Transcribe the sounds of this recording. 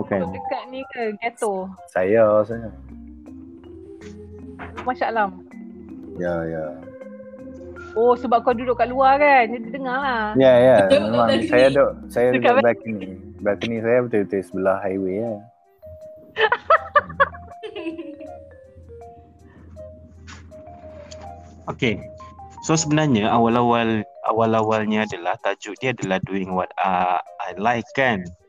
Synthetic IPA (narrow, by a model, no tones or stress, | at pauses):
bukanəkaʔnikaɡɛt̪osajas̬aɲa | maʃaʔlam | jaja | osəbap̚kadudʊʔkaʔluakanadit̪əŋahlajajamemaŋsajadaʔsajaəkabbɛknibaknisajabət̪ət̪əisəbəlahɦajwea | oke | sosəbənarɲaʔawalawalʔa̰walawalɲãadalaht̪ad͡ʒʊʔdiaadalahduɪŋwat̪̚aalajkːan